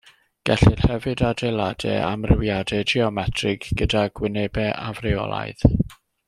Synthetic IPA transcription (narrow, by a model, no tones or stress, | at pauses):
ɡ̥ɛɬɪrhɛvɨdadejlˠadɛ̰amrɪwjadɛd͡ʒiɔmɛtʰrɨɡɡ̥ədaɡwɪnebɛʔavrɪɔ̰lˠa̰jð